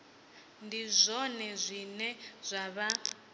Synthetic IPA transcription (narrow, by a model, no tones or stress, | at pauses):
ndizʷɔnɛzʷinɛz̥ʷaβa